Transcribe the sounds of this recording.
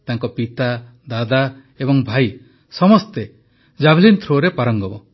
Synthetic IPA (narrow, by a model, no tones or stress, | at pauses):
t̪aŋkɔpit̪a | d̪ad̪a | ebɔŋbʱaj | sɔmɔst̪e | d͡ʒabʱlint̪ʰɾoɾepaɾɔŋɡɔbɔ